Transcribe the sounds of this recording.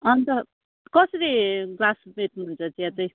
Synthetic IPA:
ʌnt̪ʌ | kʌsʌɾiɡlasbet̪nuɦunt͡sʰʌt͡siat͡sʌj

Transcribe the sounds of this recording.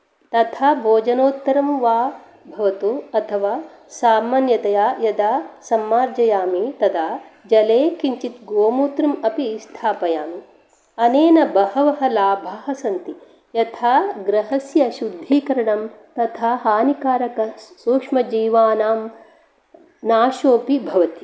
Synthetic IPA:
t̪ɐt̪ʰaːbʱoːd͡ʒɐnoːt̪ːɐɾɐmʋaː | bʱɐʋɐt̪uɐt̪ʰɐʋaː | saːmːaːnjɐt̪ɐjaːjɐd̪aːsɐmːaːɾd͡ʒɐjaːmit̪ɐd̪aːd͡ʒɐleːkiɲt͡ʃit̪ɡoːmuːt̪ɾɐmɐpist̪ʰaːpɐjaːmi | ɐneːnɐbɐhɐʋɐɦɐlaːbʱɐɦɐsɐnt̪i | jɐt̪ʰaːɡɾɐɦɐsjɐʃud̪ʱːiːkɐɾɐɳɐmt̪ɐt̪ʰaɦaːnikaːɾɐkɐsuːkʂmɐd͡ʒiːʋaːnaːm | naːʃoːpibʱɐʋɐt̪i

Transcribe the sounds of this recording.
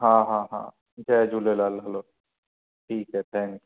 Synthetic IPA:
ɦãːɦãːɦã̰ː | d͡ʒɛːd͡ʒulelaːlɦɐloː | ʈʰiːkɦɛt̪ʰɛ̃ːŋk

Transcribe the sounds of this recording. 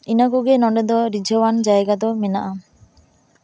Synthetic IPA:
inɔkuɡenɔɳɖed̪ɔɾid͡ʒʱɔwand͡ʒajɡad̪ɔmenaʔa

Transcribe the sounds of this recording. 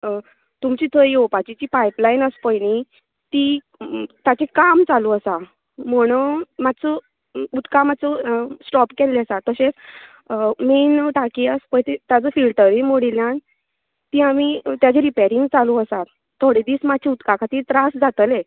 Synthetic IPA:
t̪umt͡ɕit̪ʰəjopat͡ɕit͡ɕipajplajnəspəjni | t̪i | t̪jat͡ɕekamt͡saluəsa | m̤əɽ̃əmat̪ːt͡sə | ut̪kamat̪t͡səsʈɔpkɛlːeəsat̪ːəɕẽt͡s | menʈakiəspəjt̪it̪jat͡səfilʈəɾimoɽiljãn | t̪ĩamit̪jat͡ɕeɾipeɾiŋɡt͡saluəsat̪ | t̪ʰːoɽid̪iːsmat͡ɕʰiut̪kakʰat̪iːt̪ɾasd͡zat̪əle

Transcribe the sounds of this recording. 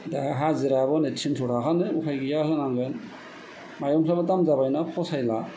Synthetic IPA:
dahaɦaziɾabɔnetʰintʰɔɾakanɯukʰajɡijaɦɯnaŋɡɯn | majɔmpʰlabadamzabajnapʰɔsajla

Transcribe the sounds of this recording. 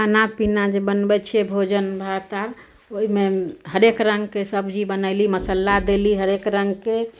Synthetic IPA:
anapinad͡ʒebənbɛt͡ʃʰebʱod͡ʒənbʱat̪aɾ | oimehəɾekɾə̃ŋɡkesəbʱd͡ʒibənəɪliməsəlːad̪eliɦəɾekɾəŋɡke

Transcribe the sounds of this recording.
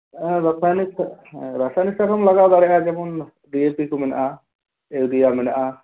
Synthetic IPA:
bək̚anikʰɾasanik̚sakʰɔmlaɡad̪aɾɛʔad͡ʒɛmɔn | ɖiepikumɛna̰ʔa | ewd̪ijamɛnaʔa

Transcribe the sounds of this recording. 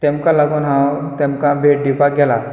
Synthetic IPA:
t̪emkalaɡunɦãwt̪emkabʱeʈ̚ɖipaɡɛla

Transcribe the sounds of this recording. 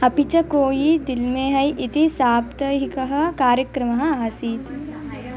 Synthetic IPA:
ɐpit͡ʃɐkoːjid̪ɪlmẽɦɐjʔɪt̪isaːp̚t̪ɐɦikɐɦɐkaːɾjɐkɾɐmɐɦɐaːsiːt̪

